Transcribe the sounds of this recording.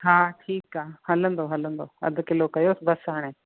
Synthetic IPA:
ɦãːʈʰiːkaːhɐlə̃nd̪oɦɐlə̃nd̪oɐ̰d̪ʱʊkɪlokɐjoːsɪbɐsɦaːɽ̃ẽː

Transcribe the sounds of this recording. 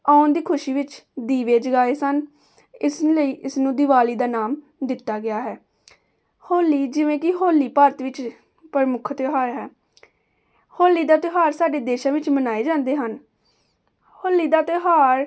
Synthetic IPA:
aːʊnd̪iːkʰʊʃiːʋɪt͡ʃd̪iːʋeːd͡ʒəɡaːeːsən | ɪsləiːʔɪsnũːd̪ɪʋaːliːd̪aːnaːm | d̪ɪt̪ːaːɡɪaːɦɛː | hoːlːiːd͡ʒɪʋẽːkɪɦoːliːpəɾət̪ʋɪt͡ʃ | pəɾəmʊkʰt̪ɪɦaːɾɦɛː | hoːlːiːd̪aːt̪ɪɦaːɾsaːɖeːd̪eːʃãːʋɪt͡ʃmənaːeːd͡ʒãːnd̪eːɦən | hoːlːiːd̪aːt̪ɪɦaːɾ

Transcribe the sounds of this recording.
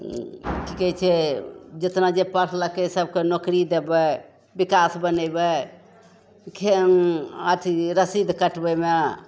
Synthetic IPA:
kikət͡ʃʰɛd͡ʒet̪nad͡ʒepəɾʰləkesəb̚kenokɾid̪ebɛ | bikasbənəbe | kʰe | aʈʰiɾəsid̪ʱkəʈbəme

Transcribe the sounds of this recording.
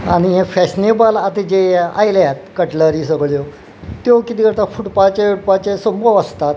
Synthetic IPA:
aɽ̃iɦẽfeɕnebalat̪ed͡ʑea̰jljat̪̚kəʈləɾiːs̬əɡɭjo | t̪jokit̪ikəʈt̪afuʈpat͡ɕeuʈpat͡ɕesəmbəʋəst̪at̪

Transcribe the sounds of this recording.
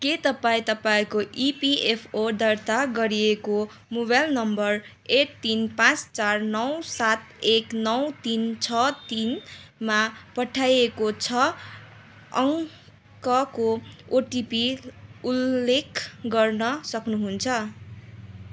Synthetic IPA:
ket̪ʌpaĩt̪ʌpaĩkoʔipiepʰod̪ʌrt̪aɡʌɾieko | mobajlnʌmbʌr | eʈ̚t̪inpãt͡st͡sarnʌwsat̪eknʌwt̪int͡sʰʌt̪inmapʌʈʰajekot͡sʰʌ | ʌŋ | kʌkooʈipiulːekʰɡʌrnʌsʌknuɦunt͡sʰʌ

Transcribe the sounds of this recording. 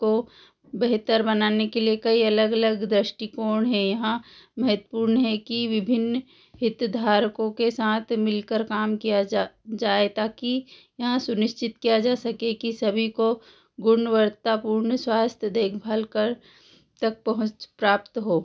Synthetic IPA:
ko | beɦt̪əɾbɐnaːnekeliekɐiɐləɡɐləɡd̪ɾəʃʈikoːɳɦɛjɐɦãmɐɦət̪wə̥puːɾnɦɛkiʋɪbʱɪn | ɦɪt̪d̪ʱaːɾkõkesaːt̪ʰmɪlkəɾkaːmkijad͡ʒaːet̪aːkijɐɦãsʊnɪʃt͡ʃɪt̪kijad͡ʒaːsɐkekisɐbʱiko | ɡʊnəʋəɾt̪apuːɾɳswaːst̪ʰjəd̪eːkʰbʱəlkəɾ | t̪ɐk̚pɐɦʊ̃t͡ʃpɾaːpt̪ɦoː

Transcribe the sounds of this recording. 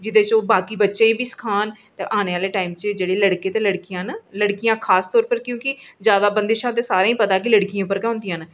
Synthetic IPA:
d͡ʒɪd̪eːt͡ʃoːbaːkiːbətːʃeːĩːbʱiːsə̥kʰaːn | t̪ḛ̃ːʔaːneːaːleːʈaːiːmt͡ʃd͡ʒeːɽeːləɽkeːt̪eːləɽkijãːnləɽkijãːkʰaːst̪ɔːɾpəɾkjõːkɪzjaːd̪aːbə̃nd̪eʃãːt̪eːsaːɾẽːĩpət̪aːkɪləɽkijãːpəɾkɛ̃õnd̪ijãːn

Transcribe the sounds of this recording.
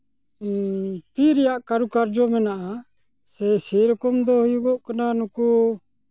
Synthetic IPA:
t̪iɾɛjaʔkaɾukaɾd͡ʒɔmɛnaʔa | sɛsiɾɔkɔmd̪ɔhujuɡɔʔkananɔku

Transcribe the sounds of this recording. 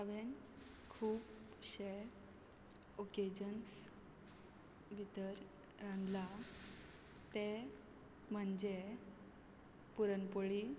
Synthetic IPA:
əʋen | kʰuːp | ɕe | oked͡ʑəns | bʱit̪əɾ | ɾãnd̪la | t̪e | m̤əɳd͡ʑe | puɾənpoɭi

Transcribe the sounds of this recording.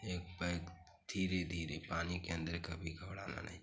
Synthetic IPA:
eːk̚pək | d̪ʱiːɾed̪ʱiːɾepaːnikeə̃nd̪əɾkəbʱiɡʱəbɽaːna̰na̰ɦĩ

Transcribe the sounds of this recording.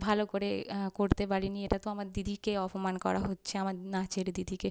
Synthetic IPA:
bʱalokoɾekoɾt̪epaɽinieʈat̪oamaɾd̪id̪ʱikeɔpomankɔ̰ɾa̰ɦotːɕʰeamaɾnat͡ɕeɾd̪id̪ʱike

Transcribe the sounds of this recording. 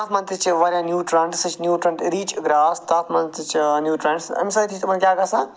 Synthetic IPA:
at̪ʰmɐ̃nt̪ɨt͡ʃʋɐɾʲjãːnjuːʈɾɐɳʈsɨt͡ʃnjuːʈɾɐ̃ɳɖɾiːt͡ʃɡɾaːst̪aːt̪ʰmɐnt̪it͡ʃnjuːʈɾɐɳɖsɐ̰msaːjt̪ʰit͡ʃt̪ɐmɐnkʲjaːɡɐsãː

